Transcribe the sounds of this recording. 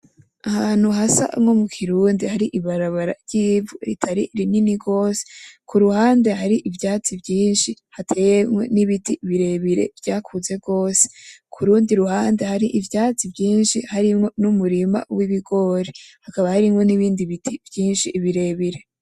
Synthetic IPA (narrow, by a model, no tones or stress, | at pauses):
ahaːn̥huɦasa̰ʔŋo̞mukʰiɾuːndihaɾiʔiβaɾaβaɾa̰ɾɟ̥iːvuɾitʰaɾiɾininiɡo̞ːse̥kuɾuhaːnde̞ɦaɾiʔivjaːt͡sibɟiːnʃihatʰe̞ːjemŋwo̞niβitiβiɾe̞βiɾe̞̰vjaːkʰuze̞b̚ɡo̞ːse̥kʰuɾuːndiɾuɦaːnde̞haɾiʔivjaːt͡sibɟiːnʃihaɾimŋo̞numuɾima̰wiβiɡo̞ɾehakaβahaɾimŋo̞niβiːndiβitʰibjiːnʃiʔːβiɾe̞βiɾe̞